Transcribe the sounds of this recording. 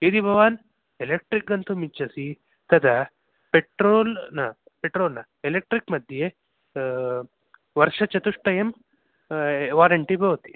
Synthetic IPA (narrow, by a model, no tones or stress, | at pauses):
id̪ibʱɐʋaːn | elek̚ʈɾik̚ɡɐnt̪umit͡ʃːɐsi | t̪ɐd̪ɐ | peʈɾoːlnɐ | peʈɾoːlnɐ | elek̚ʈɾikmɐd̪ʱje | ʋɐɾʂɐt͡ʃɐt̪uʂʈɐjem | ʋaːɾɐɳʈibɐʋɐt̪i̥